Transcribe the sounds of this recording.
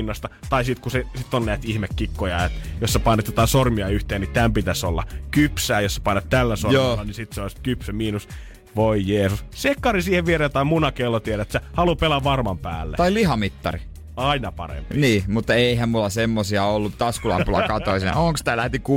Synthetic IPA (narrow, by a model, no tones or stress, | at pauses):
nːost̪ɑt̪ɑisit̪kusesit̪ːonnæit̪ihmekːikːojɑet̪josːɑpɑnːet̪jot̪ɑˑisormiɑyht̪eːnit̪æmpit̪æsolːɑ̰kypsæːjosːɑ̥pɑnːet̪t̪ælːæsojmoːlɑnisit̪seoskypsæmiːnus | ʋoijeːsussekːɑrisiːheʋieɾeːt̪ɑimunɑkelːot̪ieɾæt̪sehɑlupelɑʋʋɑrmɑmpæ̰ːlːḛt̪ɑilihɑmit̪ːɑ̰ri | ɑinɑpɑ̰rḛmpiniːmut̪ːɑeihæmmulːɑsemːosiɑolːut̪ɑskulɑ̰mpulɑ̰kɑt̪oisin̰oŋkst̪ælæht̪iku